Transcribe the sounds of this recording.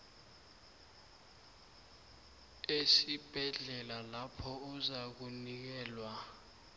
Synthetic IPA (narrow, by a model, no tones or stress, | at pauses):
esib̥ʱɛɮɛlalapʰɔuzak̬unik̬ɛːlwa